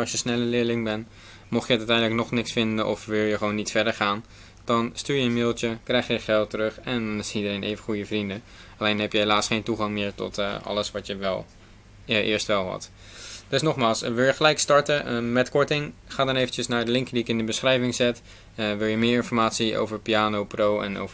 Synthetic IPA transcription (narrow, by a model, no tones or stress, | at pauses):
ʃjəsnɛləlɪːɹlɪŋbɛn | mɔχjəətœtɛjndələknɔχnɪksfɪndənʔɔ̰fʋɪlˠjəχəʋownːitfɛɹdəɹχaːn | d̥ɑnstyːɹjəənmɪːlˠtəkrɛjχjəχɛlˠtːərøχɛndnɪsidərejnʔejvəχujəvrində | ɑlejnɦɛpjəɦelaːsχejntuχɑŋmɪːɹtɔ̰tɑ̰ləsʋɑtjəʋɛ̰lˠ | ʔɪ̰ːɹstʋɛlˠɦɑ̰t | d̥ɵsnɔχmaːlˠsʋɪlˠjəχəlɛjkstɑɹtəmɛtkɔɹtɪŋχaːdɑnejvənt͡ʃəsnaːɹdəlɪŋkədiɪkɪndəbəsχrɛjvɪŋzɛt | ʋɪlˠjəmɪːɹɪnfɔɹmaːtsiʔo̰wvəɹpiaːnowprowɛ̰no̰wvə